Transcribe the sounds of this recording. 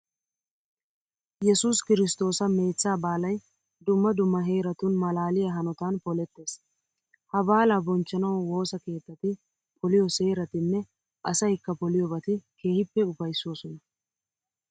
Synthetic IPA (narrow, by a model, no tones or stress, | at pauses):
jɛsuːskɪɾɪst̪o̞ːsɐme̞ːt͡sːaːbaːlɐj | d̪ʊmːɐd̪ʊmːɐɦe̞ːɾɐt̪ʊnmɐlaːlɪjɐɦɐnɔt̪aːnpɔlɛt̪ːe̞ːs | hɐbaːlabɔnt͡ʃːɐnɐwwo̞ːsɐke̞ːt̪ːɐt̪ɪ | pʰɔlɪjɔse̞ːɾɐt̪ɪnːɛ | ʔɐsɐjkːɐpɔlɪjɔbɐt̪ɪke̞ːhɪpːɛʊfɐjsːoːsɔnɐ